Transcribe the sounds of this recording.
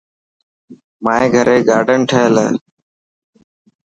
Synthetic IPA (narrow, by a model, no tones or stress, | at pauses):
mãːẽːɡʱəɾeːɡaːɖʱəɳʈʰəɦəlː